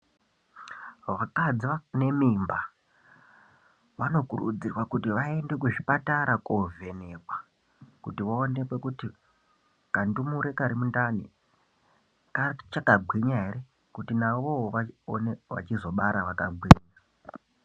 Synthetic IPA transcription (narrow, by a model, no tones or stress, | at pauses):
ʋakad͡ziʋane̞mimba | ʋano̞kurṵd͡zirwakutiʋae̞nde̞kuʐipataɾakove̞ne̞kwa | kutiʋaone̞kwe̞kuti | kandimuɾe̞kaɾimundanḭ | kat͡ʃakaɡʱwiɲaɦe̞ɾe̞ | kutinaʋoʋaneʋa̰t͡ʃizo̞ɓaɾaʋakaɡʱwiːɲa